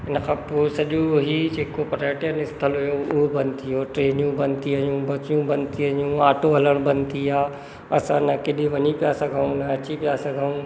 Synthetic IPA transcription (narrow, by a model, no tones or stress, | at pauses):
ɪnkʰãːpoːsɐʄoɦid͡ʑeːkopɾeːʈjənɪst̪ʰəlɦʊjoʊɦobɐnt̪iɦoːʈɾeːnjũbɐnt̪iɐjũbɐt͡ɕjũbɐnt̪iɐjũaːʈʰoɦɐləɽ̃bɐnt̪iaː | ɐsãnɐkeɗiʋɐɲipijasɐɡʱaũnɐɐt͡ɕipijasɐɡʱaũ